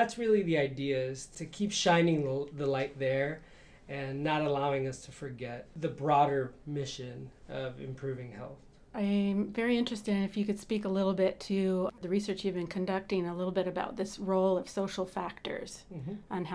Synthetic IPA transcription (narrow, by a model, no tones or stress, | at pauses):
ðætsɹɪlˠiðiaɪdiɨɪz̥tʰɨkʰipʃãɪ̃nɪ̃ŋðəlaɪt̪̚ðə˞ | ɨ̃nːəɾəlaʊɪ̃ŋʌstʰɨfə˞ɡɛt̪̚ðɨbɹɔɾə˞mɪʃɨ̃nʌvɨ̰̃mpʰɹ̥ʉvɪ̃ŋhɛ̰lˠθ | ãɪ̃mvɛɹiɪ̃nt͡ʃɹ̥ɨstɨ̃ɨfjɨkɨd̥spikəlɪɾl̩ˠbɪtʰɨðɨɹisɜ˞t͡ʃjɨvbɨ̃nkʰɨ̃ndʌk̚tɪ̃ŋəlɪɾl̩ˠbɪɾɨbaʊt̪̚ðɪsɹoʊlˠʌv̥soʊʃl̩ˠfæk̚tə̰˞z̥ʔə̃nɦ